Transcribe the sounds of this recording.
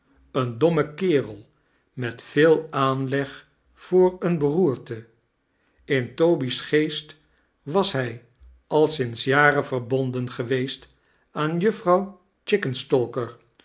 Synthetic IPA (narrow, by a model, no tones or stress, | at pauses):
əndɔməkɪːrəlˠ | mɛtfɪːlˠaːnlɛχ | fʊːɹənbəruːɹtə | ɪntowbisχejst | ʋɑsɦɛj | ʔɑlˠsɪnsjaːɾəvəɹbɔndənχəʋejst | aːnjɵfrɑw | t͡ʃɪkənstɔlˠkəɹ